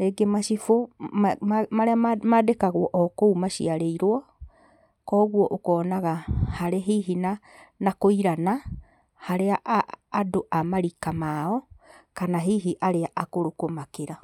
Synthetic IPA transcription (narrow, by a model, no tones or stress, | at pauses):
ɾeɡemaʃifo | maɾeamadekaɣwɔʔɔkoumaʃiaɾeiɾwɔ | kɔɣwɔʔokɔːnaɣahaɾeɦiɦina | nakoiɾana | haɾeaʔːdoʔamaɾikamaɔkanaɦiɦiʔaɾeaʔakoɾokomakeɾa